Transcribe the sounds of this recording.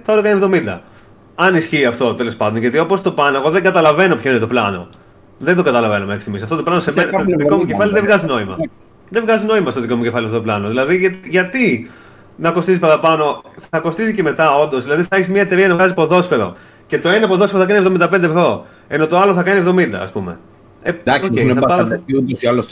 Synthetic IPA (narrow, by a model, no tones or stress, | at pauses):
t̪ɐolokɐnievðo̞mind̪ɐ̰ | ɐnisçiɐft̪o̞t̪e̞le̞spɐ̰nd̪onʝɐt̪io̞po̞st̪o̞pɐnoeɣo̞ðeŋɡɐt̪ɐlɐve̞no̞pçoinet̪oplɐ̰no̞̰ | ðed̪oɡɐt̪ɐlɐve̞numeexist̪imisɐft̪ot̪oplɐnosemenɐst̪oðiko̞mukcefɐliðevɣɐzino̞imɐ̰ | ðevɣɐzino̞imɐst̪oðiko̞mucefɐliɐft̪ot̪plɐ̰no̞ðilɐðiɐt̪ʝɐt̪i | nɐko̞st̪isipɐnd̪ɐpɐno̞θɐko̞st̪isiceme̞t̪ɐo̞nd̪o̞zðilɐðiθɐeçismɲɐet̪e̞ɾiɐnɐvɣɐzipo̞ðo̞sfeɾo̞̰ | ce̞t̪o̞e̞nɐpo̞ðosfeɾθɐkɐnievðo̞mind̪ɐpend̪evɾo̞ | e̞no̞t̪oɐloθɐkɐnievðo̞mind̪ɐ̰ːspume̞̰ | ed̪ɐkseeɐɐut̪esialos